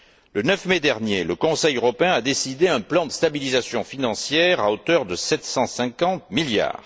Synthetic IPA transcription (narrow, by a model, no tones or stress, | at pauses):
lənœfmed̪ɛʁnjeləkɔ̃sɛjøʁɔpeɛ̃ad̪esid̪eɛ̃plɑ̃d̪əst̪abilizasjɔ̃finɑ̃sjɛʁaot̪œʁd̪əsɛt̪sɑ̃sɛ̃kɑ̃t̪̚milja̰ːʁ